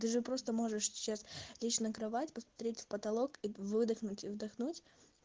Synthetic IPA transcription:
t̪ɨʐɨpɾo̞st̪əmo̞ʐɨʂsʲɪ̥t͡ɕaslʲit͡ɕnəkɾɐvatʲpəsmɐt̪ɾʲetʲfpət̪ɐlˠo̞kivɨd̪ɨxnʊtʲɪvd̪ɐxnutʲ

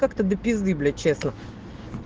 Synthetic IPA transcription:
kakt̪əd̪əpʲɪzd̪ɨblʲɪt͡ɕːesnə

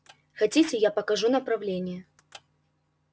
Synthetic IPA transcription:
xat͡sʲit͡sʲɛjapɐkaʐunɐpɾawlʲenʲjɛ

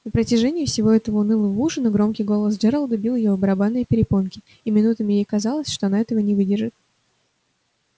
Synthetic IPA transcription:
nəpɾətʲɪʐɛnʲɪjɪfsʲɪvo̞ɛt̪əvəʊnɨlˠəvuʐɨnəɡɾo̞mkʲɪjɡo̞lˠəsdʐɛɾəlˠd̪əbʲilˠɪjobəɾɐbanːɨjəpʲɪɾʲɪponkʲɪ | imʲɪnut̪əmʲɪjejkɐzɑlˠəsʲʂt̪o̞ɐnaɛt̪əvənʲɪvɨdʲɪrʐɨt̪̚

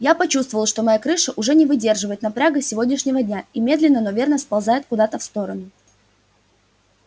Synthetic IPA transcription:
japɐt͡ɕust̪vəvəlˠʂt̪omɐjakɾɨʂəʔʊʐɛnʲɪvɨdʲe̞rʐɨvəjɪt̪nɐpɾʲaɡəsʲɪvo̞dʲnʲɪʂnʲɪvədʲnʲaimʲe̞d̪lʲɪnːənovʲe̞rnəspɐlˠzajɪt̪̚kʊd̪at̪əfst̪o̞ɾənʊ

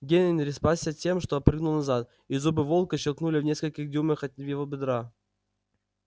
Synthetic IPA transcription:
ɡʲenʲɪnʲɾʲɪspasʲːətʲe̞mʂt̪oɐpɾɨɡnʊlˠnɐzat̪ | izubɨvo̞lˠkəɕɪlˠknulʲɪvnʲe̞skəlʲkʲɪxdʲuməxɐt̪ʲvjɪvobʲɪd̪ɾa

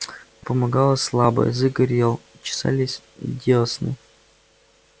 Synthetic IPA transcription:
pəmɐɡalˠəslˠabə̰jzɨɡɐɾʲelˠ | t͡ɕɪ̥sa̰lʲɪsʲ | dʲesnɨ̰j

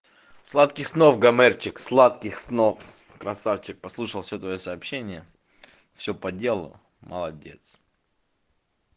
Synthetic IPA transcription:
slˠat̪kʲɪxsnofɡɐmɛrt͡ɕɪkslˠat̪kʲɪxsnof | kɾɐsaft͡ɕɪk̚pɐslˠuʂəlˠfsʲot̪vɐjosɐːpɕenʲɪjə | fsʲopɐdʲe̞lˠə̰lˠ | məlˠɐdʲe̞̰t̪s

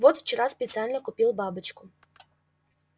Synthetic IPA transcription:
vɔt̪ft͡ɕɪɾaspʲɪt̪sɨalʲnɐkʊpʲilˠbabɨt͡ʃkʊ̥

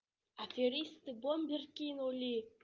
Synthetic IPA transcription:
atʲeɾʲist̪ɨbombʲerkʲinolʲi

